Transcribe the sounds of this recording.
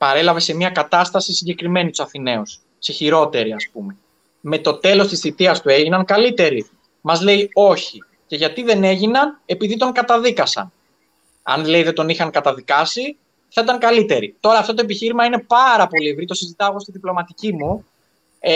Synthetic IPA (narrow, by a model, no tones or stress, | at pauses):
pɐɾe̞lɐve̞se̞mɲɐkɐt̪ɐst̪ɐsisiɲɟe̞kɾime̞nit̪u̥sɐθine̞us | seçiɾo̞t̪e̞ɾiɐspume̞ | me̞t̪o̞t̪e̞lo̞st̪isθit̪iɐst̪ue̞ʝinɐnkɐlit̪e̞ɾi | mɐzle̞io̞çi | ce̞ʝɐt̪iðe̞ne̞ʝinɐne̞piðit̪o̞ŋkɐt̪ɐðikɐsɐ̰n | ɐ̰nle̞iðet̪o̞nixɐŋkɐt̪ɐðikɐsi | θɐit̪ɐŋkɐlit̪e̞ɾit̪o̞ɾɐːft̪o̞t̪o̞e̞p̬içiɾimɐine̞pɐɾɐpo̞lievɾit̪o̞sizit̪ɐoɣost̪iðiplo̞mɐt̪icimu